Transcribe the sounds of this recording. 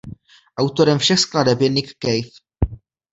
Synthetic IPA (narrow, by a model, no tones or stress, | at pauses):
ʔawt̪o̞ɾɛmfʃɛxskladɛbjɛnɪkːɛjf